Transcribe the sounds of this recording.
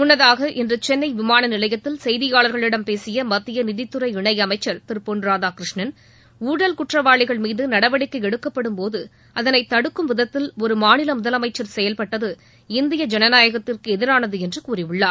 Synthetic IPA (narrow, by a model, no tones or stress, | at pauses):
ʊnːɐðaːɣɐʔɪndrɯt͡ʃɛnːɐɪʋɪmaːnɐnɪlɐjɐt̪ːɪlsɛjðɪjaːɭɐɾɣɐɭɪɽɐmpeːsɪjɐmɐt̪ːɪjɐnɪðɪt̪ːɯɾɐɪɪɳɐɪɐmɐɪt͡ʃːɐɾt̪ɪɾpoːnɾaːðaːkɾɪʂɳɐn | uːɽɐlkʊʈrɐʋaːɭɪɣɐɭmiːðɯnɐɽɐʋɐɽɪkːɯɛɽɯkːɐpːɐɽɯmpoːðɯ | ʔɐðɐnɐɪt̪ːɐɽɯkːɯmʋɪðɐt̪ːɪlɔɾɯmaːnɪlɐmʊðɐlɐmɐɪt͡ʃːɐɾsɛjɐlpɐʈːɐðɯ | ɪnd̪ɪjɐd͡ʒɛnɐnaːjɐɣɐt̪ːɪrkɯɛðɪɾaːnɐðɯɛndrɯkuːrɪʋɯɭːaːɾ